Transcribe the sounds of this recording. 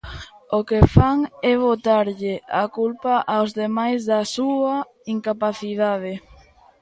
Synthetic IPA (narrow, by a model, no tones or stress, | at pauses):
okefaŋɛβot̪aɾʎɪakulpaʔawzðemajzðasua | iŋkapaθiðaðɪ